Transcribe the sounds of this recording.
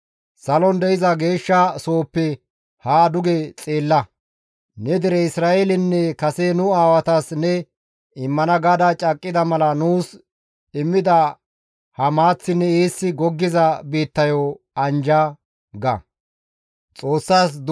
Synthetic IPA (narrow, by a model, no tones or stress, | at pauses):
sɐlɔnd̪ɛɪzɐɡe̞ːʃːɐso̞ːpːɛ | haːd̪ʊɡɛt͡sʼeːlːɐ | nɛd̪ɪɾɛɪsɾaːelɪnːɛkɐsenʊaːwɐt̪ɐsnɛ | ɪmːɐnɐɡɐd̪ɐt͡ʃʼɐkʼːɪd̪ɐmɐlɐnuːs | ɪmːɪd̪ɐ | hɐmaːt͡sːɪnːɛeːsːɪɡɔɡːɪzɐbiːt̪ːɐjɔ | ɐnd͡ʒɐ | ɡɐ̰ | t͡sʼo̞ːsːaːsd̪